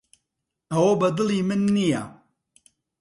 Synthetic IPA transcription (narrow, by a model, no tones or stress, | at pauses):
awobɐd̪ɨlimɨnːija